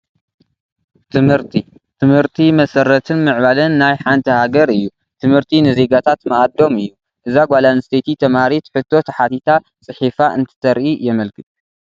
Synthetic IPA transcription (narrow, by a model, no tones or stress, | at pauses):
t̪ʰɨmhɨɾt̪ʰi | t̪ʰɨmhɨɾt̪ʰimɐsɐɾːɐt̪ʰɨnmɨʕβalɐnːajħant̪ʰɐhaɡɐɾɨjːu | t̪ʰɨmhɨɾt̪ʰinɨze̞ɡat̪ʰat̪mɐʔad̪o̞mɨjːu | ʔɨzaɡʷalanɨst̪ʰet̪ʰit̪ʰɐmaɾit̪ħɨt̪ʰːo̞t̪ʰɐħat̪ʰit̪ʰa | t͡sʼɨħifaʔɨnt̪ʰɨ̥t̪ʰɐɾʔijɛmɐlkʰɨt̪ʼu